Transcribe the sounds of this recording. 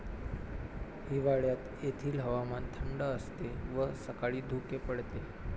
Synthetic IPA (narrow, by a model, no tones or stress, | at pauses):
ɦiʋaɭjat̪ | et̪ʰiːlɦəʋamant̪ʰəmɖəəst̪eʋəsəkaɭiːd̪ʱukepəɽt̪e